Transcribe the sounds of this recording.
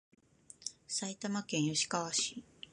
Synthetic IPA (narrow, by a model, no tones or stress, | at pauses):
sait̪amakẽ̞ɰ̃joɕi̥kaβaɕiː